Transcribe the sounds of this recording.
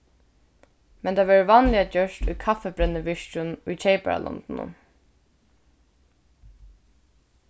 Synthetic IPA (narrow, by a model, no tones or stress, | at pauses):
mɛnt̪ʰaːʋɛːɹʋɑːnlɪat͡ɕœʃtujkʰafɛbɾɛnːəʋɪʃt͡ʃʊnujt͡ʃʰeɪpæ̰ɹa̰lʔɔ̰nt̪nʊ̰